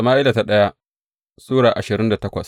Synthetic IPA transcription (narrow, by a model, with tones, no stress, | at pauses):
ɐ˨maː˦ʔɪ˦la˨ta˦ɗɐ˦ja˦ | suː˦ɽaː˨ʔa˨ʃɪ˨ɾɪ˦nda˨tɐ˦kʷɐ̰˨s